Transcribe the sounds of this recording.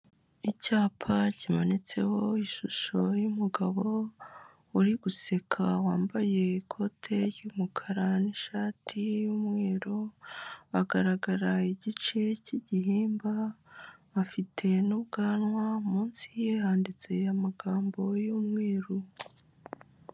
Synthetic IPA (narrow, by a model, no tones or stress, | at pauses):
icaːpʰacimonet͡se̞̰ho̞iʃuʃo̞jumuɡaβo̞ | uɾiɡuse̞kʰawaːmbaje̞ikʰo̞tʰe̞ɾjumukʰaɾaniʃaːtʰijumweːɾo | aɡaɾaɡaɾaiɟit͡ʃeciɟihiːmba | βafitʰe̞nuβɡaːnwaumuːnsijehaːndit͡se̞amaɡaːmbo̞jumŋweːɾu